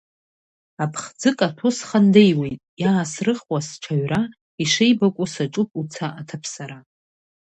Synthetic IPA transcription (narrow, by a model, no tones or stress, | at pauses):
apʰχd͡zɨkʼatʰo̞sχandejwe̞jtʼjaːsrɨχwasʈ͡ʂʷʰaɥra | iʂejbakʷʼʊsaʈ͡ʂʼʊpʼut͡sʰaʔatʰapʰsaɾa